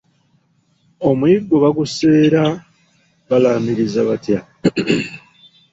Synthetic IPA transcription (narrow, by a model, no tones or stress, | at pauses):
o̞muiɡːoβaɡuse̞ːɾa | βalaːmiɾizaβatja